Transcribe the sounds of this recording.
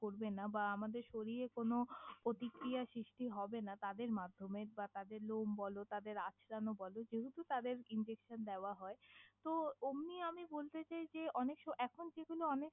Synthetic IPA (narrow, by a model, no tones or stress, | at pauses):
koɾbenabaamad̪eɾʃoɾiekonopɾot̪ikɾijaʃɾiʃʈiɦɔbenat̪ad̪eɾmad̪ʱːomeɾbat̪ad̪eɾlombɔlot̪ad̪eɾat͡ɕʰɾanobɔlod͡ʑeɦut̪ut̪ad̪eɾind͡ʑekʃand̪eoaɦɔet̪oomniamibolt̪et͡ɕajd͡ʑeɔnekʃɔɛkʰond͡ʑeɡuloɔnek